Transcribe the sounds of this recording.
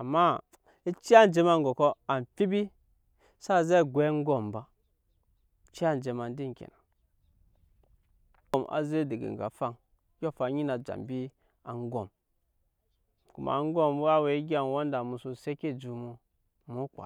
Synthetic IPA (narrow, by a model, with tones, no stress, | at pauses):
a˨ma˦ | i˦t͡ʃi˦a˦n˨d͡ʒe˦ma˨ŋɡo˨ko˦a˨n˨fi˦bi˦ | sa˦˨ze˦˨ɡʷe˨˦ŋ˦ɡo˦˨mba˨ | t͡ʃi˦a˦˨n˨d͡ʒe˨ma˨n˦di˦ŋ˨kʲḛ˨na˨ | o˨ma̰˨ze˦di˨ɡḛ˨ŋɡa̰˨fa˦ŋ˦ | jo˦fa˨˦ɲi˦na˨d͡ʒa̰˨mbi˦ | a̰˨ŋ˦ɡo˨m | ku˨ma̰˨˦ŋ˦ɡo˦m˦a˦we˨i˦ɡʲi˦a˨n˨wo˦n˦da˨mu˨su˨se˦ke˦d͡ʒu˨mu˨ | mu˦kʷa̰˨